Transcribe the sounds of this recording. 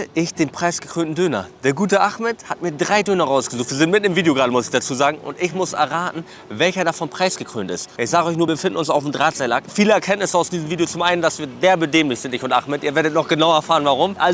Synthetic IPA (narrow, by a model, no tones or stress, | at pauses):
ʔɪçd̥eːnpʁ̥aɪsɡ̥əkʁ̥øːntn̩døːnɐ̰d̥eːɐɡuːtəʔaχmɛthatmiːɐdʁaɪdøːnɐʁaʊsɡ̥əzuːxtviːɐzɪnt̚mɪt̚nəmviːdejoɡʁaːɾəmʊsɪçd̥at͡suːzaːɡŋ̩ʔʊ̰ntɪçmʊsʔɛ̰ɐʁaːtn̩ | vɛlçɐdaːfɔnpʁ̥aɪsɡ̥əkʁ̥ø̰ːntɪ̰stʔɪçz̥aːɡəɔʏç̬nuːɐbbfɪndn̩ʊnsaʊfm̩dʁaːtz̥aɪlakfiːləɛɐkʰɛntnɪsəaʊsd̥iːzəmviːdejot͡sʊmʔaɪnənd̥asv̥iːɐdeːɐbədeːmlɪçz̥ɪntɪçʊntʔa̰χmɛtʔiːɐveːɐɾətnɔχɡ̥ənaʊɛɐfaːʁənvaʁʊmʔa